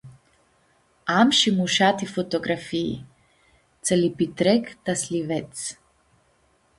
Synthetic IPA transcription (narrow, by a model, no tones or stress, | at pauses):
amʃimuʃat̪ifot̪oɡɾafiḭ | t̪sɛlipit̪ɾɛkt̪aslivɛt̪s